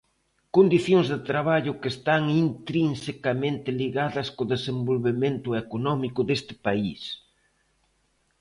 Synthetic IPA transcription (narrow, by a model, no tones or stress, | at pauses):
kond̪iθjoŋzðɪt̪ɾaβ̞aʎʊkest̪aŋint̪ɾinsekamẽnt̪ɪliɣaðɐskoðesembolβement̪ʊekonɔmikʊðest̪ɪ̥pais